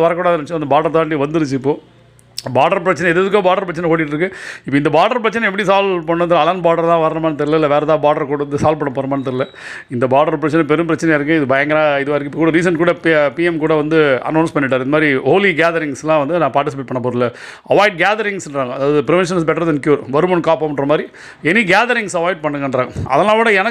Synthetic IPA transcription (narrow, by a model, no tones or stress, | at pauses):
ɐʋɐɾɐkːuːɽaːɐðɐɐɐt͡ʃːɐnd̪ɐbaːɖɐɾt̪ãːɳːiʋɐnd̪ɯɾɯt͡ʃːɯɪpːoː | baːɖɐɾpɪɾɐt͡ʃːɐnɛɛðɯðɯk̬ːoːbaːɖɐɾpɾɐt͡ʃːɐnɛ̃koːɽɪʈːɾɯk̬ːɯɪpːoɪnd̪ɐbaːɖɐɾpɪɾɐt͡ʃːɐnɛ̃ɛp̬ːɐɽisaːlpɐɳːɯ̃nd̪lːɐlɐnbaːɖɐɾt̪ãːʋɐɾɐnɐmaːnɐt̪ɐɾɪlɐɪlːɐʋeːɾɛt̪ãːbaːɖɐɾkuːɽɐɐnd̪ɯsaːlpɐɳːɐpoːɾɐmaːnɐt̪ɐɾɪlɐ | ɪnd̪ɐbaːɖɐɾpɾɐt͡ʃːɐnɛ̃pɛɾɯmpɪɾɐt͡ʃːɐnɛjɪɾɯk̬ːɯ̃ɪðɯbɐjɐŋɡɐɾãːɪðɯʋaːɪɾɯkːɪpːɐkuːɽɐɾiːs̬ɐnkuːɽɐppiːɛmkuːɽɐʋɐnd̪ɯɐ̰nːɐːnspɐɳːɪʈ̬ːaːɾɯnɐmaːd̪ɾihoːliɡaːðɐɾɪŋslãːʋɐnd̪ɯnãːpaːʈɪsɪpeːʈ̚pɐɳːɐpːoːɾɪlːɐ | ɐʋaːɪɖ̚ɡaːðɐɾɪŋsnɾaːŋɡɐɐðaːʋɐðɯpɪɾɪʋɛnʂ̬ɐnsbɛʈːɐɾðɐnkjuːɾʋɐɾɯmɐnkaːpoːmɐɳɾɐmaːd̪ɾi | ɛnːiɡaːðɐɾɪ̃ŋsɐʋaːɪɖ̚pɐɳːɯŋɡɐɳɾãːŋɡɐɐ̰ðɐnaːloːɽɐɛnɐ